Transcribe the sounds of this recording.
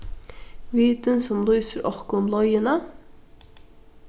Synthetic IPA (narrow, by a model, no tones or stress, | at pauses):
ʋiːt̪ənsɔmluːsəɾɑʁkʊnlɔjənə